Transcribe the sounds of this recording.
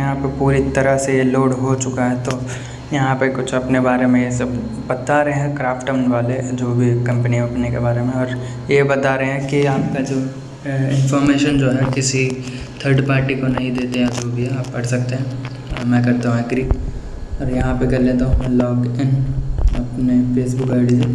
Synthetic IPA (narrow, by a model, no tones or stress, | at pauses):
ɐɦãpɐpuːɾit̪ɐɾəsejeloːɽɦot͡ʃʊkaɦɛ̃t̪o | jɐɦãpekʊt͡ʃʰɐpnebaːɾemẽjesɐb | bɐt̪aɾeɦɛ̃kɾaːfʈəʋnʋaːled͡ʒoːbʱikɐ̃mpəniɐpnikebaːɾemẽɔːɾ | jebɐt̪aɾɐɦɦɛ̃kiaːp̚kad͡ʒoː | ɪ̃nfɔːɾmeːʃənd͡ʒoːɦɛkɪsi | t̪ʰəːɾɖpaːɾʈikonɐɦĩd̪eːt̪ejad͡ʒoːbʱiɦɛaːpːɐɽsɐk̚t̪eɦɛ̃ | mɛ̃ːkɐɾt̪aɦũɛkɾiːk | ɔːɾjɐɦãpekɐɾlẽt̪oɦɐmlɔːkɪnɐpnefeːsbʊkaːɖize